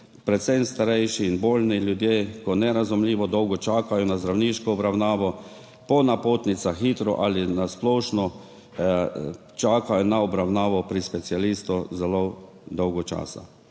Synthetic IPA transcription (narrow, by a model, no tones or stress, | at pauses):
pɾɛt̪sɛjmst̪aɾɛjʃiːnboːlniljud̪jeːkɔnɛɾazumliːʋɔd̪ɔwɡɔt͡ʃaːkajɔnazd̪ɾawniːʃkɔɔbɾawnaːʋɔ | pɔnapoːt̪nit̪saxiːt̪ɾɔʔalinasplɔːʃnɔ | t͡ʃaːkajɔnaɔbɾawnaːʋɔpɾispɛt̪sialiːst̪ɔzɛlo | d̪ɔwɡɔt͡ʃa̰ːsa̰